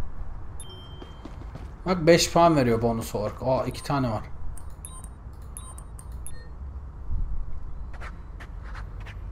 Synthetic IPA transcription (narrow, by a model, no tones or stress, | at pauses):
vak̚bɛʃfanveɾijobonusoɾkʰoicʰi̥t̪ʰaːnɛvaɾ̥